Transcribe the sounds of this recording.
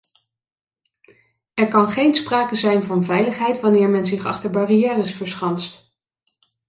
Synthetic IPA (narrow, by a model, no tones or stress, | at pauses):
ɛɹkɑnχejnspraːkəzɛjnvɑnvɛjləχɦɛjtʋɑnɪːɹmɛnzɪχɑ̰χtəɹbɑrijɛːrəsfəɹsχɑnst